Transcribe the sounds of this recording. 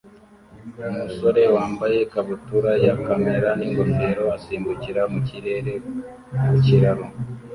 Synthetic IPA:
umuso̞ɾe̞waːmbaje̞kaβutuɾajakame̞ɾaniŋɡonde̞ːɾo̞asiːmbuciɾamuciɾe̞ɾe̞ | kuciɾaɾo

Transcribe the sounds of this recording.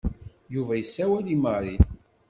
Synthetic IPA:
juvæjəsːæwæliməɾin

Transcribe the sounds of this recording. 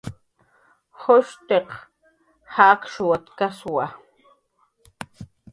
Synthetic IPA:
hoʃt̪eq | haːkʃwat̪kaswa

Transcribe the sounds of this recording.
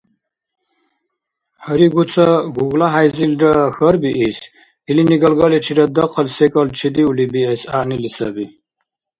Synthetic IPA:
həɾiɡut͡sʰaɡuɡlaɦajzilɾaxəɾbiʔis | iliniɡalɡalɛt͡ʃʰiɾad̪ɔqʰəlsɛkʼɔlt͡ʃʰɛd̪iulibiɛsanilisa̰bi

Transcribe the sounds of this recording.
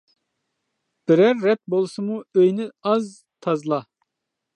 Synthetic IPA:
b̥ɪɾɛɾːɛt̪̚bolˠsɨmuøjnɪɑz | t̪ʰɑzlˠɑ

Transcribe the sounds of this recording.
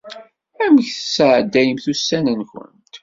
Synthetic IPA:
æməçθəsəʕəd̪ːæjəmθusːænənçə̰nt̪

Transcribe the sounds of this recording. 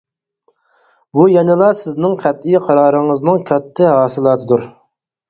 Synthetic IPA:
bujɛnɪlˠɑsɪznɪŋqʰæt̪̚ijqʰɑɾɑːɾɨŋɨznɨŋkʲʰøt̪ʰːɪɦɑːsɨlˠɑːt̪ʰɨd̪uɾ

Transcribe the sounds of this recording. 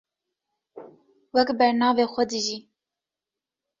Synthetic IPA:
wɛkbɛɾnɑːveːxʷɛd̪ɨʒiː

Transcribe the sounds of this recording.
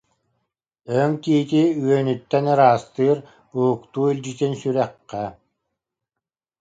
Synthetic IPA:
œŋk̪iːt̪iyœnyt̪ːɛnɯɾaːst̪ɯːɾ | buukt̪uːilʲd͡ʑit̪insyɾɛqːɛ

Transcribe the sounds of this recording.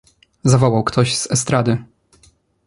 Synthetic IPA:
zavɔwawkt̪ʰɔʑz̥ɛst̪ɾad̪ɘ

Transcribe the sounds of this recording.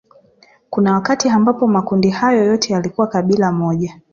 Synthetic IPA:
kunawakatiambapɔmakundihajɔjɔtʰɛjalikuwakaɓilamɔʄa

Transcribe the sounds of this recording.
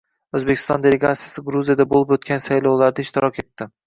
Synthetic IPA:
ɵzbekʰʲɪ̥st̪ɒnd̪e̞le̞ɡat̪sijasɪɡɾuzijad̪abolˠɪpot̪kʲʰansajlˠawlaɾd̪aɪʃt̪ɪɾɒkʲʰe̞t̪ʰːɪ

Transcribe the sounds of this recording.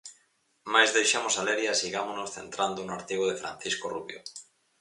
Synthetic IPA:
majzðejʃamosaleɾjasiɣamonosθent̪ɾand̪onoaɾt̪iɣoðefɾã̰n̟θiskoruβjo̰

